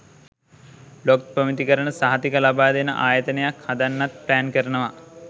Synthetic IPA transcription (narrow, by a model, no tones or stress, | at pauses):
lokpəmit̪ikəɾənəsaɦat̪ikəlabaːd̪enəʔaːjət̪ənejakhad̪anːat̪̚plæːnkəɾənəʋa